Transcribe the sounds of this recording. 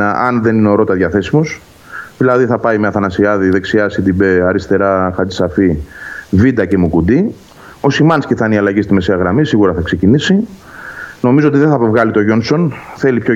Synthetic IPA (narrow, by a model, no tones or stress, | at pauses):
ɐnðe̞nineoɾo̞t̪ɐðʝɐθe̞simos | ðilɐðiθɐpɐimeɐθɐnɐsiɐðiðe̞ksiɐsid̪ibe̞ɐɾist̪e̞ɾɐxɐd̪isɐfivid̪ɐce̞mukud̪i | o̞simɐnsciθɐniɐlɐʝist̪ime̞seɐɣɾɐmisiɣuɾɐθɐkse̞cinisi | no̞mizoot̪iðeθɐpevɣɐlit̪o̞ʝo̞nso̞nθe̞lipço